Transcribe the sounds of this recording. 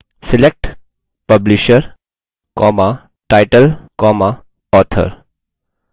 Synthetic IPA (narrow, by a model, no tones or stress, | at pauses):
silek̚ʈ | pəbliʃəɾ | kɔma | ʈajʈəlkɔma | ɔt̪ʰə̰ɾ